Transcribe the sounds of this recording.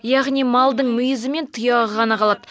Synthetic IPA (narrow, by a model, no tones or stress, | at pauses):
jaʁnijmɑlˠd̪əɴmʏjɪzɪme̞nt̪ʰʊjɑʁəʁɑnɑqʰɑlˠɑd̪